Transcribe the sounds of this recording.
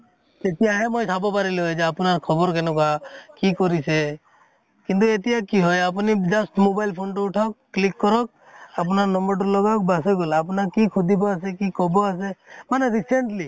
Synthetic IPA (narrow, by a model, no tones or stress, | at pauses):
d͡ʒet̪iaɦemojt̪ʰabɔpaɾilɔjd͡ʒeapnaɾkʰɔbɔɾkenɔkakikɔɾise | kint̪̬uet̪ijakiɦɔjap̬nid͡ʒasʈmobajlpʰonʈuuʈʰɔk̚ːlikːɔɾɔk̚ | ap̬naɾnɔmbɔɾʈulɔɡak̚basɔɡolap̬nakikʰud̪ʱibɔasekikɔbɔas̬emaneɾiseɳʈli